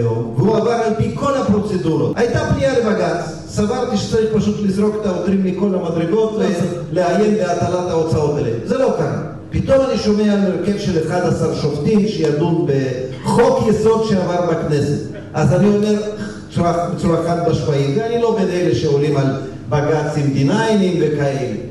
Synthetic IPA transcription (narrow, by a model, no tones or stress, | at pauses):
oveuavaʁmalpiko̞lhapʁo̞t͡se̞duɾaajt̪apnialebaɡat͡s | savaʁt̪iʃet͡saʁiχpaʃut̪lizʁo̞ket̪aotɾimmiko̞lamad̪ɾeɡo̞t̪leleaje̞nleatalat̪haot͡sao̞t̪alḛmze̞lo̞kaʁa̰ | pit̪o̞maniʃo̞me̞aalmeɾke̞vʃe̞leχad̪asaʁʃoft̪imʃejald̪ubeχo̞kjeso̞d̪ʃeavaʁbakne̞se̞t̪ | ʔazanio̞le | t͡suabet͡suɾaχat̪baʃvaimveanilo̞ɡed̪eleʃeolimal | baɡat͡simd̪inajnimvekaele